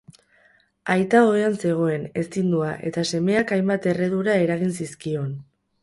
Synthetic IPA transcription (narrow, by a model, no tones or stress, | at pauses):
ajt̪ao̞eanse̞ɣ̞o̞e̞ne̞st̪ind̪uaʔe̞̰t̪ase̞me̞akajmbat̪e̞re̞ðuɾae̞ɾaɣinsiskio̞n